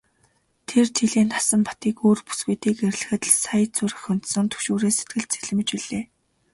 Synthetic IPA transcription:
t̪ʰert̪ʰeɮeːnt̪ʰasə̆mpḁt̪iːkoːrpu̥sɡujt̪iːkerʲɮɘ̆xɘ̆t̪̆sajt͡sʊrə̆χʊn̥t̪sɵ̆ŋnt̪ʰɵ̥ʃoːɾeːset̪̚ɡɘ̆ɮt̪t͡seɮɘ̆mɘ̆t͡ɕpiɮeː

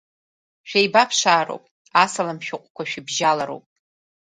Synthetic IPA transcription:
ʃᶣejbapʰʂaːɾo̰wpʼ | asalamʃᶣʊqʷʼkʷaʃᶣɪbʒalaɾo̰wpʼ

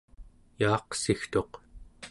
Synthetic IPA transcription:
jɑːqsixt̪o̞q

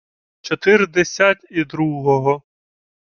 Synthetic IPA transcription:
t͡ʃɔt̪ɪrd̪esʲatʲid̪ɾuɦɔɦɔ

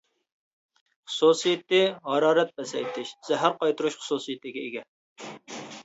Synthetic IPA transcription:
χʊ̥susɨjɪt̪ːɪʁɑɾɑːɾɛt̪̚bɛsɛjt̪ʰɪʃz̥ɛɦæɾqɑjt̪ʰuɾuʃχʊ̥susɨjɪt̪ʰɪɡʲɛiɡʲɛ

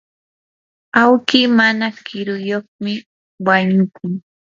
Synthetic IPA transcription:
awkiːmanakɪɾʊjoχmɪ | waɲʊkʊŋ

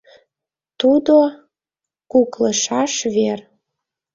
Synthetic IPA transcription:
t̪ud̪o | kukləʃɑʃβer

